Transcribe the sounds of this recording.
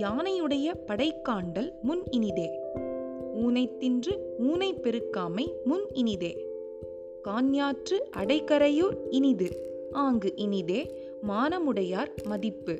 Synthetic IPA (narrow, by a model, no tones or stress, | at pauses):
jaːnɐjɯɽɐjɐpɐɽɐɪkːaːɳɖɐlmʊnɪnɪðeː | uːnɐɪt̪ːɪndrɯuːnɐɪpːɛɾɯkːaːmɐɪmʊnɪnɪðeː | kaːnjaːʈrɯʔɐɽɐɪkɐɾɐjoːɾɪnɪðɯ | ʔaːŋɡɯʔɪnɪðeː | maːnɐmɯɽɐjaːɾmɐðɪpːɯ